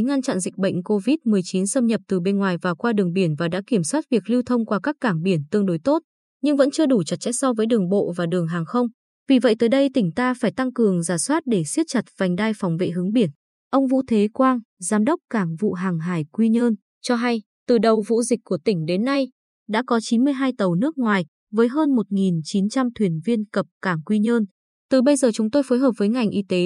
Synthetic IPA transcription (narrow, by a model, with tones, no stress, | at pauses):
ŋa˧nt͡ɕa̰˧˨nzï˨˩k̟̚ɓə̰˧˨jŋ̟ko˧vi˦˥t̚mɨ˨˩əjt͡ɕi˨˦nsə˧mɲə˨˩p̚t̪ɨ˨˩ɓe˧nŋwaː˨˩jvaː˨˩kwaː˧ɗɨ˨˩əŋɓi˧˩ənvaː˨˩ɗa̰ː˧˥ki˧˩əmswaː˦˥t̚vi˨˩ək̚li˧wt̪ʰə˧wŋ͡mkwaː˧kaː˦˥kːaː˧˩ŋɓi˧˩ənt̪ɨ˧əŋɗo˨˦jt̪o˦˥t̚ | ɲɨ˧ŋvə̰˧˥nt͡ɕɨ˧əɗu˧˩t͡ɕə˨˩t̚t͡ɕɛ̰˧˥j̚sɔ˧vəː˨˦jɗɨ˨˩əŋɓo̰˧˨vaː˨˩ɗɨ˨˩əŋɦaː˨˩ŋxə˧wŋ͡m | vi˨˩və̰˧˨jt̪əː˨˦jɗə˧jt̪ï˧˩ŋ̟t̪aː˧faː˧˩jt̪a˧ŋkɨ˨˩əŋzaː˧˩swaː˦˥t̚ɗe˧˩si˦˥ət̚t͡ɕa˨˩t̚v̥a˨˩ŋ̟ɗaː˧jfa˨˦wŋ͡mvḛ˧˨ɦɨ˨˦ŋɓi˧˩ən | ʔə˧wŋ͡mvṵ˧˥t̪ʰe˨˦kwaː˧nzaː˨˦mɗə˦˥wk͡p̚kaː˧˩ŋvṵ˧˨ɦaː˨˩ŋɦaː˧˩jkwi˧ɲəː˧n | t͡ɕɔ˧ɦa˧j | t̪ɨ˨˩ɗə˨˩wvṵ˧˨zï˨˩k̚kːu˧˩ət̪ï˧˩ŋ̟ɗe˨˦nːa˧j | ɗa̰ː˧˥kɔ˨˦t͡ɕi˨˦nmɨ˧əjɦaː˧jt̪ə˨˩wnɨ˦˥ək̚ŋwaː˨˩j | vəː˨˦jɦəː˧nmo˨˩t̚ŋi˨˩nt͡ɕi˨˦nt͡ɕa˧mt̪ʰwi˨˩ənvi˧ənkə˨˩p̚kaː˧˩ŋkwi˧ɲəː˧n | t̪ɨ˨˩ɓə˧jzəː˨˩t͡ɕʊ˨˦ŋ͡mt̪o˧jfoː˨˦jɦəː˨˩p̚vəː˨˦jŋa˨˩jŋ̟ʔi˧t̪e˨˦